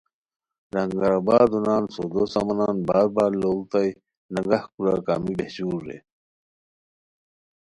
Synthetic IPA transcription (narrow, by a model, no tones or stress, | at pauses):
ɾɐŋɡaɾabaːd̪unaːnsoːd̪osa̰mɐnaːnbaːɾ̚baːɾloːlt̪aj | nɐŋɡahkuɾa̰ːkaːmibehɕuːɾːḛ